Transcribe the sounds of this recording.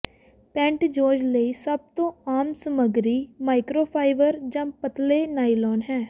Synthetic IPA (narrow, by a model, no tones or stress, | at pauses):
pɛ̃ːɳʈd͡ʒoːd͡ʒləiːsəb̚t̪õːaːmsəməɡɾiːmaːɪkɾoːpʰaːɪʋəɾd͡ʒãːpət̪leːnaːilɔːnɦɛː